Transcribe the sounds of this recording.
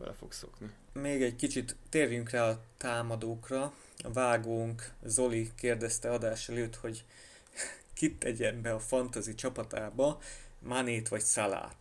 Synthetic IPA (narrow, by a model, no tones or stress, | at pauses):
bɛ̰lɛ̰fo̰kso̰knimeːɡɛɟkit͡ʃit̪ːeːrjyŋkraːɒt̪aːmɒd̪oːkrɒ | ɒvaːɡoːŋkzo̞likeːrd̪ɛst̪ɛɒd̪aːʃɛløːt̪ho̞ɟ | kit̪ːɛɟɛmbɛɒfɒnt̪ɒzit͡ʃɒpɒt̪aːbɒmaniːt̪ʋɒcsala̰ːt̪